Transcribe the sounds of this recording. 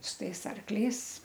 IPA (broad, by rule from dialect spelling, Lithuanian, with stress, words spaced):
sʊ ˈtɐɪs ˈɐrklʲɛɪs